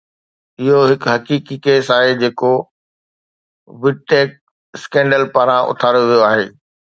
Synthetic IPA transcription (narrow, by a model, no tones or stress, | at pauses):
ɪɦoɦɪkɦɐkiːkikeːsaːɦed͡ʑeːko | ʋɪɖ̚ʈeːk̚ | skɛ̃ːɳɖəlpaːɾãʔʊ̰t̪ʰaːɾjoʋijoaːɦeː